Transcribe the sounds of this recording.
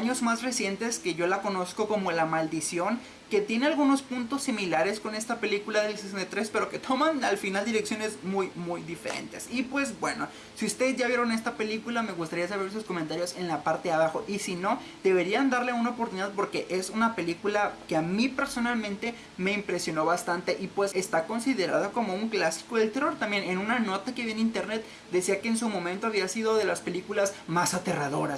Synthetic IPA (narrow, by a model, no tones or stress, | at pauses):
aɲo̞zmasre̞sje̞nt̪e̞ske̞ʝo̞lako̞no̞sko̞ko̞mo̞lamald̪isjo̞ŋ | ke̞t̪je̞ne̞alɣuno̞spunt̪o̞sːimilaɾe̞sko̞ne̞st̪ape̞likulaðe̞lsesenet̪ɾe̞spe̞ɾoke̞t̪ʰo̞manalfinald̪iɾe̞ksjo̞ne̞zmujmujðife̞̰ɾe̞̰nt̪e̞sipwe̞zbwe̞no̞ | siust̪e̞ðezʝaβje̞ɾo̞ne̞st̪ape̞likulame̞ɣust̪aɾias̬aβe̞ɾsusko̞ment̪aɾjo̞se̞nlapaɾt̪eaβ̞axo̞ʔisino̞ | ð̥e̞βe̞ɾiand̪aɾle̞unaopoɾt̪uniðaðpo̞ɾke̞ʔesunape̞likulakeamipe̞ɾso̞nalmẽnt̪e̞ | me̞impɾe̞sjo̞no̞βast̪ant̪e̞ʔipwe̞sest̪ako̞nsiðe̞ɾa̰ðoko̞mo̞uŋklasi̥ko̞ðelt̪ero̞ɾt̪ambje̞ne̞nũnano̞t̪akeβienĩnt̪eɾnet̪̚ | d̪e̞siake̞ːns̬umõ̞mẽnt̪o̞aβiasiðo̞ðe̞laspe̞likulazmasat̪eraðo̞̰ɾas